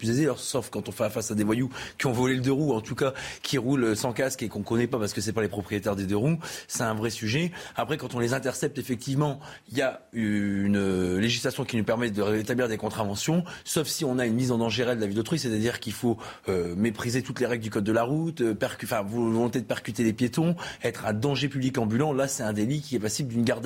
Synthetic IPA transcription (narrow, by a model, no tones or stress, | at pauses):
pyzezealɔʁsɔfkɑ̃t̪ɔ̃fɛfasad̪evwajukʲiɔ̃vɔleləd̪əʁuɑ̃t̪ukakʲʰiʁuløsɑ̃kaskekɔ̃kɔnɛpapaʁsəkəsɛpalepχɔpχijet̪ɛʁd̪ed̪øʁusɛt̪ɛ̃vʁɛsyʒɛapχɛkɑ̃t̪ɔ̃lezɛ̃t̪ɛʁsɛp̚t̪efɛk̚t̪ivmɑ̃ | ilja | ynøleʒislasjɔ̃kʲinupɛʁmɛd̪əet̪abliʁd̪ekɔ̃t̪χavɑ̃sjɔ̃sɔfsiɔ̃naynmizɑ̃d̪ɑ̃ʒeʁɛld̪əlavild̪ot̪χwiset̪ad̪iʁkilfo | ømepχizet̪ut̪leʁɛɡləd̪ykɔd̪̚ːəlaʁut̪øpɛʁkʲɑ̃fɛ̃vɔlɔ̃t̪ed̪əpɛʁkʲyt̪elepjet̪ɔ̃ɛt̪χɛ̃d̪ɑ̃ʒepyblikɑ̃bylɑ̃lasɛt̪ɛ̃d̪elikʲiɛpasibld̪ynɡaʁd̪